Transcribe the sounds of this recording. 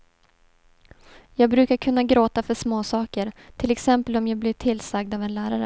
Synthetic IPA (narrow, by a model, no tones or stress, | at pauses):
jɑːɡ̚bɾʉ̟ːkaɾkʰɵnːaɡɾoːt̪afœʂmoːsɑːkəɾt̪ʰɪlɛksɛmpəlɔmjɑːɡblɪʈʰɪlːsaɡ̚d̪aːvɛnlæːɾaɾə̰